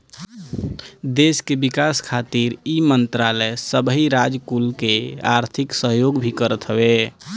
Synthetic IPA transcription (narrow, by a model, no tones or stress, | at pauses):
d̪eskebikaskʰat̪iɾimənt̪ɾalɛsəbəɦiɾad͡ʒkulkea̰ɾt̪ʰiksəɦjoɡbʱikəɾət̪ɦəbe